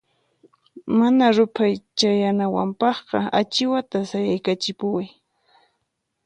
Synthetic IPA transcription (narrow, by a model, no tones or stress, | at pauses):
manaɾʊpʰajt͡ʃajanawa̰mpɑχqɑ̰at͡ʃɪwat̪asajajkat͡ʃɪpʊwaj